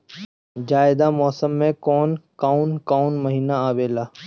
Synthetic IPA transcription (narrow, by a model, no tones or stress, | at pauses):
d͡ʒaːɪd̪amɔːsəmːẽkɔːnkaːʊnkaːnməɦiːnaaːʋeːlaː